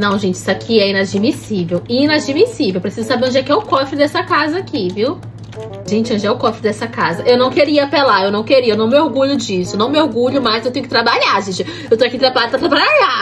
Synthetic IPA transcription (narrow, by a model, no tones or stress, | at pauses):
nɐ̃w̃ʒẽt͡ʃɪi̥sakʰiɛĩnad͡ʒimisivewĩnad͡ʒimisivewpɾesizʊsabeɾ̃d͡ʒɛkɛʊkɔfɾɪd̪ɛsɐkazɐakʰiviw | ʒẽt͡ʃɪɐ̃d͡ʒɛʊkɔfɾɪd̪ɛsɐkazɐʔewnɐ̃w̃keɾiɐpelaewnɐ̃w̃keɾiɐewnɐ̃w̃mɪoɾɡuʎʊd͡ʒisʊnɐ̃w̃mɪoɾɡuʎʊmajzewt̪ẽɲʊkɪt̪ɾabaʎaʒẽt͡ʃɪ | ewt̪oakit̪ɾabaad̪pɾaɾapɾabaʎa